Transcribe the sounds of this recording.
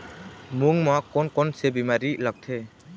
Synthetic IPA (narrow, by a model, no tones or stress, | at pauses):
muŋmɔkɔnkɔnsebimaɾilak̚t̪ʰɛ